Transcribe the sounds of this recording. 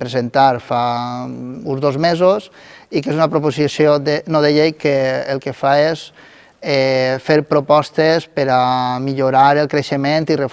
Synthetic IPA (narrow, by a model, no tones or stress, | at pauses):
pɾezent̪aɾfa | unzðozmezos | ikezunapɾopozisjoðenoðeʎejkeːlˠkefaes | ɛfeɾpɾopɔst̪espəɾamiʎuɾaɾelˠkɾeʃement̪iref